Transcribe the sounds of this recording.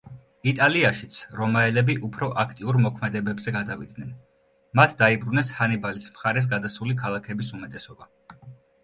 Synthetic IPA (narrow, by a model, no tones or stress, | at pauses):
it̪ʼaliaʃit̪sʰɾɔmaɛlɛbiʔupʰɾɔʔakʰt̪ʼiuɾmɔkʰmɛd̪ɛbɛbzɛɡad̪avḭd̪nɛn | mat̪ʰd̪aibɾunɛshanibalismχaɾɛs̬ɡad̪asulikʰalˠakʰɛbisumɛt̪ʼɛsɔba